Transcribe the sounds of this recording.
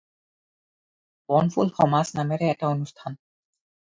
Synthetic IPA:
bɔnfulxɔmasnamɛɾɛɛtaonust̪ʰan

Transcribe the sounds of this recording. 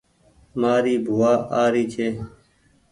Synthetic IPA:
maːɾiːbʱuːaːʔaːɾiːt͡ʃʰeː

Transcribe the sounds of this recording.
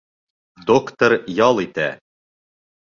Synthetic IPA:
d̪okt̪oɾjɒlˠit̪æ

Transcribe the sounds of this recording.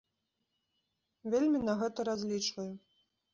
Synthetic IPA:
vʲelʲmʲinɐɣɛt̪ɐɾazʲlʲit͡ʂvɐju

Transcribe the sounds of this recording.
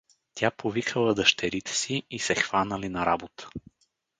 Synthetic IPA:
t̪ʲʰapovikʰəlˠəd̪əʃt̪ɛɾit̪ɛ̥siːsɛxvanəlinɐɾabot̪ə̥

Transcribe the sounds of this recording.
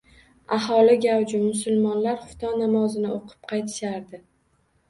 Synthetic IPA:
aɦɒlɪɡʲawd͡ʒɪmʊsʊlmɒnlaɾχʊfʊ̥t̪ʰɒnamɒzɪnɪʔoqʰɨ̥p̚qʰɑjt̪ʰɪ̥ʃaɾd̪ɪ

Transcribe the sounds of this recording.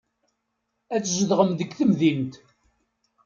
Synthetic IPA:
æt͡sːzəðʁəmðəɡθəmðint̪

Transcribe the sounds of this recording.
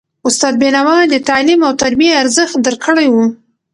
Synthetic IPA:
ʊst̪ɑd̪̚bɪnawɑd̪ət̪ɑlimawt̪aɾbieaɾzəxt̪̚d̪əɾkəɽajwu

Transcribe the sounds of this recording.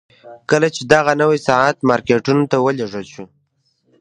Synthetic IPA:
kəlat͡ʃed̪aɣanəwisaʕat̪mɑɾkeʈunot̪awəleʐəlʃu

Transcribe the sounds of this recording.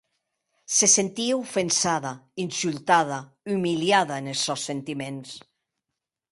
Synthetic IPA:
sesent̪iaufensaðainsylt̪að̞a | ymiljaðaenesːɔsːent̪imẽns

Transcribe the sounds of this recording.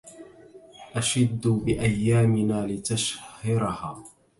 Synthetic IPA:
ʔaʃad̪ːbɪʔajːaːmɪnaːlɪt̪aʃhɪɾɑhaː

